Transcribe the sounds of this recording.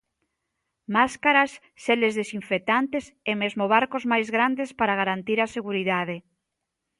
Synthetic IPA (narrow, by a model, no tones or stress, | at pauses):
maskaɾasːelezðesiɱfek̚t̪ant̪esemezmoβ̞aɾkozmajzɣɾand̪espaɾaɣ̞aɾant̪iɾaseɣuɾiðaðe